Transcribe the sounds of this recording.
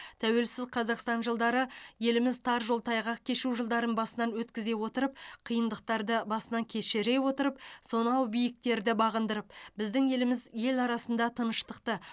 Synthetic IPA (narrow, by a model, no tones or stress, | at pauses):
t̪ʰæwe̞lsɪzqʰɑzɑqst̪ɑnʒəlˠd̪ɑɾəje̞lɪmɪzt̪ʰɑɾʒo̞lˠt̪ɑjʁɑkʲʰe̞ʃuʒəlˠd̪ɑɾənbɑsənɑnwɵt̪kʲɪze̞wo̞t̪əɾəpqʰijənd̪əq̚t̪ɑɾd̪əbɑsənɑŋkʲʰe̞ʃeɾe̞wo̞t̪əɾəp̚so̞nɑwbijɪk̚t̪e̞ɾd̪ɪbɑʁənd̪əɾəp̚bɪzd̪ɪŋje̞lɪmɪzje̞lɑɾɑsənd̪ɑt̪ʰənəʃt̪əq̚t̪ə